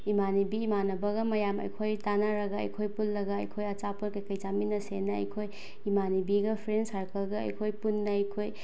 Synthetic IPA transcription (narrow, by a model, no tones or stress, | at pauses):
imanibiːmanɐbɐɡɐmɐjamɐ̰jkʰojtanaɾɐɡaɐ̰jkʰojpulːɐɡaɐ̰jkʰojɐt͡ʃapunkɐjkɐjt͡ʃaminɐsenɐɐ̰jkʰoj | imanibiɡɐpʰɾensaɾkəlɡɐɐ̰jkʰojpunːɐjkʰoj